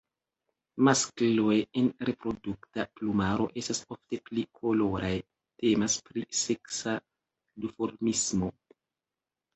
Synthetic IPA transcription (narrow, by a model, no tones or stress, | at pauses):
masklojenɾe̞pɾo̞duktaplumaɾo̞̰ʔe̞stasofte̞plikʰo̞lo̞ɾaj | te̞maspɾise̞ksa | dufo̞ɾmismo̞